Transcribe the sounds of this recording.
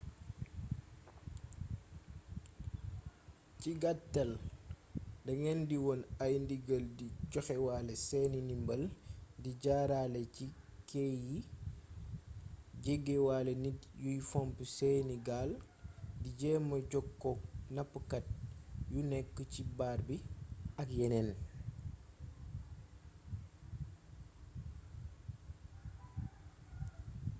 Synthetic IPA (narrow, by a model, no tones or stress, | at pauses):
ciɡatːɐl | dɐŋɛndiwɔnajndiɡɐldiɟɔxɛwalɛsɛninimbɐldiɟaːɾalɛcikeji | ɟeɡewaːlɛnijujfɔmpusɛːniɡaːl | diɟɛmɐɟɔkːɔnapːəkat̚junɛkːəcibaːɾbiɐkjɛnɛn